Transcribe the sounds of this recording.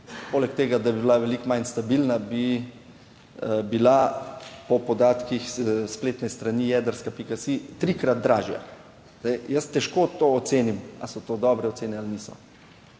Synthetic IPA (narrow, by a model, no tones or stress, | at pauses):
poːlɛkt̪eːɡad̪abibilaʋɛlikmajnst̪abilnabi | bilapɔpɔd̪aːt̪kixspleːt̪nɛst̪ɾanijɛːd̪əɾskapikasit̪ɾikɾad̪̚d̪ɾaːʒja̰ | zd̪ɛjjəst̪ɛʃkot̪oːɔt̪seːnima̰sɔt̪oːd̪ɔːbɾɛɔt̪seːnɛalniːsɔ̰